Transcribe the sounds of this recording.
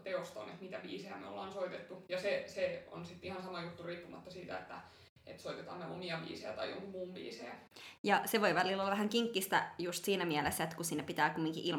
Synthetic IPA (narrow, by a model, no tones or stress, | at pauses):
t̪eost̪o̰nḛt̪mit̪æʋḭːseæ̰mḛo̰lːɑːnsoit̪et̪ːujɑseseo̰nsit̪ːihɑnsɑmɑjut̪ːuriːpːumɑ̰t̪ːɑsiːt̪æ̰ḛt̪ːæ̰ | ḛt̪soit̪et̪ɑ̰ːmːeo̰miɑʋḭːsejæt̪ɑ̰jjo̰ŋkumuːmʋḭːseːjɑseʋoiʋælilːolːɑʋæhæŋkiŋkːist̪æ̰just̪siːnæmiælesːæet̪kusiːnːæpit̪æːkumːiŋkḭʔil